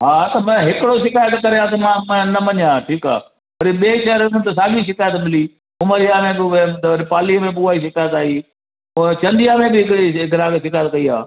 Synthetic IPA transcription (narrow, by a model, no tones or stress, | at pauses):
ɦaːt̪ɐmɐ̃ɦɪkɪɽoʃ̬ɪkaːjət̪kɐɾejãt̪ɐmãːmɐ̃nɐmɐɲjãːʈʰiːka̰ː | pɐɾiɓeːʃɐɾʊnət̪es̬aːɡiʃ̬ɪkaːjət̪mɪliː | ʊməɾijamẽbɪɾɪpaːliəmẽɓuaːiːʃɪkaːjət̪aːɦiː | t͡ɕɐ̃nd̪ijamẽbɪɪkɽiɡɪɾaːɡʃɪkaːjət̪̚kɐiːa̰ː